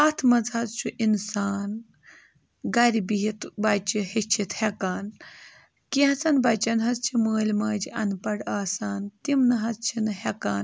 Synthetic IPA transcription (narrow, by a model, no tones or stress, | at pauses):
ɐt̪ʰmɐd͡zɐt͡st͡ʃʰuʔinsaːn | ɡɐɾibiɦit̪bat͡ʃihet͡ʃʰit̪hekaːn | kiɦɐt͡sɐnbɐt͡ʃɐnɦɐt͡st͡ʃʰiməːlʲmaːd͡ʒiɐnpɐɽaːsaːnt̪imnɨɦɐt͡st͡ʃʰinɨhɛkaːn